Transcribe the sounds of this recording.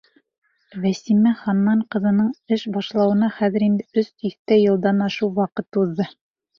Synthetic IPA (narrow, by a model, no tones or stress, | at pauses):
væsimæχɑnːɑɴqɤ̆ðɤ̆nɤɴɘʃbɑʃlˠɑwɤ̆nɑχæðɘ̆ɾind̪ɘɵst̪iθt̪æjɤ̆lˠd̪ɑnɑʃɤwwɑqɤt̪uðːɤ